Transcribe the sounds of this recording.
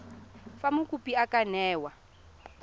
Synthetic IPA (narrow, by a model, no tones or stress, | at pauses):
famukʼupiakanɛːwa